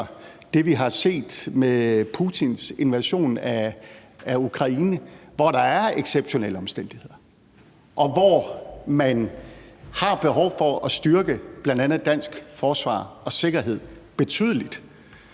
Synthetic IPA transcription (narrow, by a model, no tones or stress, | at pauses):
d̥e̝ʋiɦɑ̈se̝̰ːd̥mepʰut͡sʰinse̝nʋæɕo̝̰ːnæː | ukʰʁɑ̈iːnəʋɒɾ̥ɑ̈æɐeɡ̥seb̥ɕo̝nḛləɒ̽msd̥en̰d̥ihe̝ð̞̰ˠɐ | ʔɒ̽ʋɒmæn | hɑ̈b̥e̝ɦɒʊ̰fɒ̽ɒ̽sd̥ɶɐɡ̥əb̥lænd̥ænð̩ˠd̥æn̰sɡ̥fɒːsʋɑ̰̈ːɒ̽se̝ɡ̥ɐɦe̝ð̰ˠb̥e̝t͡sʰy̰ːðˠəlid̥